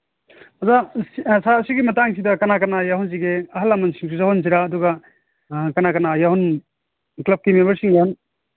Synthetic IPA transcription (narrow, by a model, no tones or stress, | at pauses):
azasasiɡimɐtaŋsidɐkɐnakɐnajaɦuns̬iɡeɐɦɐlamɐnsiŋs̬usaɦuns̬iɾaːduɡɐ | kɐnakɐnajaɦun | klɐb̚kimembɐɾsiŋaan